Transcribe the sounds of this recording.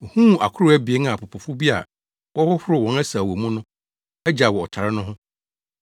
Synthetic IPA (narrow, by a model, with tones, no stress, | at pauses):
hũ˦˨a˨kʰʊ˦ɾʊ˦æ˦bi˨e˦nã˨pʰʊ˨pʰʊ˨fʊ˦bi˦a̰˨ | wɔ˦hʊ˦hʊ˦ɾʊ˨wɔ̃˨˦nɛ˦sa˨wɔ˨mũ˦nʊ̃˦ | ɛ˦d͡ʑa˨wɔ˨ɔ˨t͡ɕʰa˨ɾɪ˦nʊ̃˦ɦʊ̃˦